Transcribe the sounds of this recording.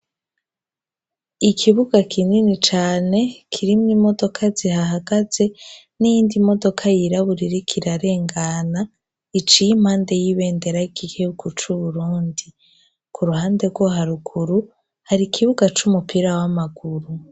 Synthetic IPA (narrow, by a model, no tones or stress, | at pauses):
ikʰiβuɡakʰininit͡ʃaːne̞kʰiɾimŋimo̞do̞kʰazihaɦaɡaze̞ | nijiːndimo̞do̞kʰajiɾaβuɾiɾikʰiɾaɾe̞ːŋɡana | it͡ʃijimhaːnde̞jiβe̞ːnde̞ɾaikikiβuɡut͡ʃuβuɾuːndi | kʰuɾuhaːnde̞ɡwoɦaɾuɡuɾu | haɾikʰiβuɡat͡ʃumupiɾawamaɡ̥uɾu